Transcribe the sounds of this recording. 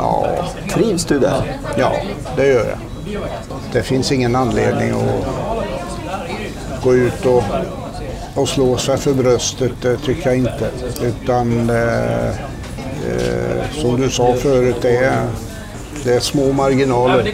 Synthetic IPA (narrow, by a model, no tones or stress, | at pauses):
jɑ̰ːt̪ʰɾiːvsd̪ɵd̪ɛ̰jɑ̰ː | d̪ɛjœːɾja̰ | d̪̥ɛfɪnsɪŋːənanːleːd̪nɪ̰ŋɔ̰ | ɡ̥oːʉ̟ːt̪ɔ | sloːsɛfœɾbɾœst̪ət̪̚d̪ɛt̪ʰʏkːəjaɪnt̪əʉ̟ːt̪an | sɔmd̪ɵsɑːfœːɾʉ̟t̪̚d̪ɛ | d̪̥ɛːʂmoːmaɾɡɪnɑːləɾ